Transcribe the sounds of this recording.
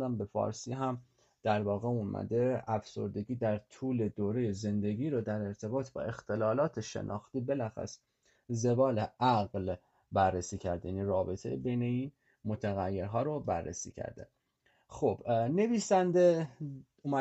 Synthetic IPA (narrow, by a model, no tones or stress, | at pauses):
d̪æmbefɒ̰ːɾsiːɦæm | d̪̥æɾvɒːɣeunmʔæ̰d̪eæfso̞̰ɾd̪e̞ɡiːd̪æɾt̪ʰuːle̞d̪oːɾe̞jeze̞nd̪e̞ɟʲiːɾod̪æɾe̞ɾt̪ʰe̞bɒːt̪ʰbɒ̰ːe̞xt̪ʰe̞lɒːlɒːt̪ʰeʃe̞̰nʔɒ̰ːxt̪iːbe̞læxæ̰s | ze̞bɒːleʔæɣl | bærːesiːcʰæɾd̪ejæniːɾɒːbe̞t̪ʰḛjbe̞jne̞iːn | mot̪ʰæɣæjːe̞ɾɦɒːɾobærːḛsḭːcʰæ̰ɾd̪ḛ | xob̥ne̞viːsænd̪e | umæ